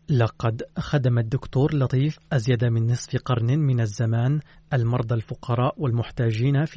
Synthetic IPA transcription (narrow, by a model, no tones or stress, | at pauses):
lɑqɑd̪xad̪amad̪ːʊkt̪uːɾlɑt̪ˤiːfʔazjad̪amɪnːɨsˤfqɑɾˤnɪmɪnazːamaːnʔalmɑɾˤd̪ˤɑlfʊqɑɾˤɑːʔwalmʊħt̪aːd͡ʒiːnaf